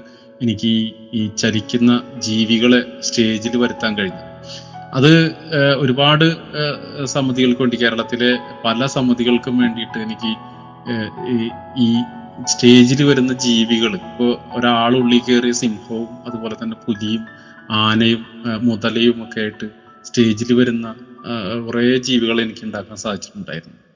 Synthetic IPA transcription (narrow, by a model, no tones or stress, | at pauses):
enikʲːɨiit͡ɕɐɾikʲːunːɐd͡ʑiːʋiɣɐɭe̞sʈe̞ːd͡ʑilʋɐɾut̪ːaːnkɐɻiɲːɐðɨɐðɨo̞ɾubaːɽɨ | sɐmːɐðiɣɐɭkʋoɳɖike̞ːɾɐɭɐt̪ːile̞pɐlɐsɐmːɐðiɣɐɭkumʋe̞ːɳɖijiʈːɨenikʲːɨ | iːste̞ːd͡ʑilɨʋɐɾunːɐd͡ʑiːʋiɣɐɭɨmipːo̞ːoɾaːɭɨuɭːikʲːeːrijɐsimhɐʋumɐðupoːle̞t̪ɐnːe̞puðijum | aːnɐjumːuðɐlɐjumo̞kːejaːjiʈːɨ | ste̞ːd͡ʑilʋɐɾunːɐkureːd͡ʑiːʋiɣɐɭe̞nikʲːuɳɖaːkːaːnsaːd̪ʱit͡ɕːi̥ʈːuɳɖa̰ːjiɾunːu